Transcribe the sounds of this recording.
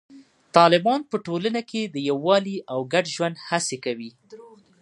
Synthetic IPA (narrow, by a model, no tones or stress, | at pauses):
t̪ɑlɪbɑnpəʈolənakʰed̪əjawːɑliʔawɡaɖʒwand̪hasekawi